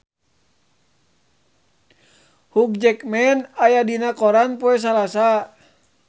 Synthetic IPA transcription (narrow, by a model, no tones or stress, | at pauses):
huk̚d͡ʒɛkmɛnajadinakɔɾanpɔɛs̬alasa